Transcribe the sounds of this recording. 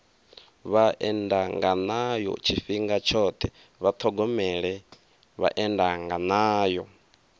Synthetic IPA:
βaʔɛndaŋɡanajɔ̰t͡ʃʰifiŋɡat͡ʃʰɔt̪ʰɛ | βat̪ʰɔɡɔmɛɺɛ | βa̰ʔɛndaŋɡanaːjɔ

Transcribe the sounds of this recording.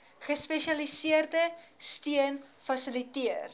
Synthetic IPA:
χəspɛʃɐlisiərdəstiən | fɐsəlitiər

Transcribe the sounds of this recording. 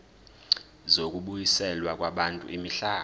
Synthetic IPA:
zok̬ʼuɓujisɛlwak̬ʼwaɓantʼṵʔimiɬaː

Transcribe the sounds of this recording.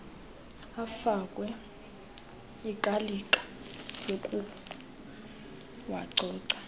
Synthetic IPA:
afak̬ʼwɛ | ikʼalikʼḁ | jokʼu | waǀʱɔːǀḁ

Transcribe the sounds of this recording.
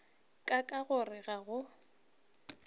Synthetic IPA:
kʼakʼaɣʊrɪɣaɣʊ

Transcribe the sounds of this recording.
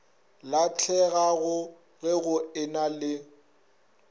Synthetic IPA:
lat͡ɬʰɛɣaɣʊ | ɣɛɣʊɪnalɪ

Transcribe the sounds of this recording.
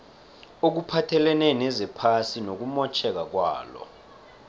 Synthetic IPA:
ok̬upʰatʰɛlɛnɛnɛzɛpʰasinok̬umɔt͡ʃʰɛk̬ak̬wa̰ːlɔ̰

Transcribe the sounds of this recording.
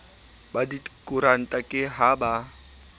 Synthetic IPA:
badikʼʊɾan̩tʼakʼɪɦaba

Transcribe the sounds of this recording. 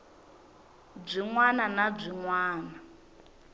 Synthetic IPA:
b͡ʐiŋwananab͡ʐʷiŋwaːna

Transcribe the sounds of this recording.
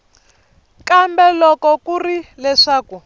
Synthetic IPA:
kambɛlɔkɔkurilɛʂaːku

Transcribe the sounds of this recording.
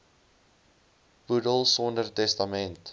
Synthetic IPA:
pudəlˠsɔndərtɛstɐmɛnt

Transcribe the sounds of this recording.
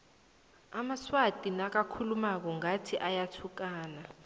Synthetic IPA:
amaswad̥ʼʱinak̬akʰulumak̬ɔŋatʰiʔajatʰuk̬aːna

